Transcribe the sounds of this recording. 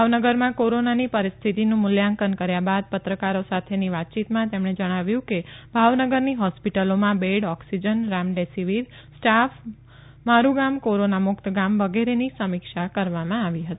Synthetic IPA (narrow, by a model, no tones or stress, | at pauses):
bʱaʋnəɡəɾmãkoɾonanipəɾist̪ʰit̪inũmʊljãŋkənkəɾjabad̪̚pət̪ɾəkaɾosat̪ʰeniʋat̪̚t͡ʃit̪mãt̪emɳed͡ʒəɽ̃aʋjũkebʱaʋnəɡəɾniɦɔspiʈəlomãbeɽɔksid͡ʒənɾamɖesiʋiɾ | sʈaf | maɾuɡamkoɾonamʊkt̪ʰɡamʋəɡeɾenisəmikʃakəɾʋamãaʋiɦət̪i